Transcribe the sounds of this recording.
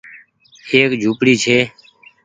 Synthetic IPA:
eːkd͡ʒʱuːpɽiːt͡ʃʰeː

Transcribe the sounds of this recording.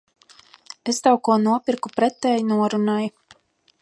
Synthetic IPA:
est̪awkuɔnuɔpiɾkupɾɛt̪ɛːjnuɔɾunaju

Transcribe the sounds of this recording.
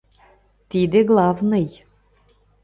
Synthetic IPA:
t̪id̪ĕɣlˠɑvnɤj

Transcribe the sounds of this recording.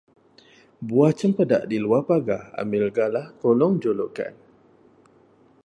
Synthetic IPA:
buat͡ʃəmpəda̰ʔdiluapaɡa̰a̰mɪlɡalahkolɔŋd͡ʒoloka̰n

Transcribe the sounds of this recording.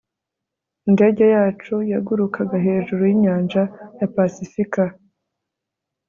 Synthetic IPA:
inde̞ɟe̞jaːt͡ʃujaɡuɾukʰaɡaɦe̞ːʒuɾujiɲaːnʒajapasifika

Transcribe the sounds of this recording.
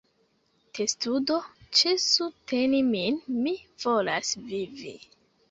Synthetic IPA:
testudot͡ʃesute̞niminmiv̥olasvivḭ

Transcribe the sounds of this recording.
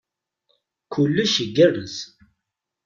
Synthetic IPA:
kʰulːuʃəɡːərːəz

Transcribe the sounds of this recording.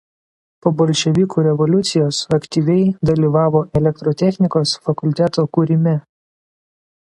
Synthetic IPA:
poːbɔlʲʃʲɛʋʲikuːɾʲɛʋɔlʲʊt̪sʲɪjoːsɐkt̪ʲiːʋʲɛɪd̪ɐlʲiːʋɑːʋoːʔɛlʲɛk̚t̪ɾɔːt̪ʲɛxʲnʲɪkoːsfɐkʊlʲt̪ʲɛt̪oːkuːɾʲɪmʲɪ

